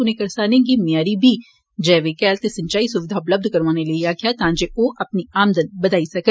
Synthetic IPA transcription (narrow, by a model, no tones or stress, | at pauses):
ʊnẽkɐɾsaːnẽɡimɪjaːɾibʱiː | d͡ʒɛːʋekɛːlt̪esɐ̃ɲt͡ʃaːisʊʋɪd̪ʱaːʊpləb̚d̪ʱkɐɾʋaːneliiaːkʰjat̪ãːd͡ʒeʔoːʔɐpniaːmd̪ənbɐd̪aːisɐkə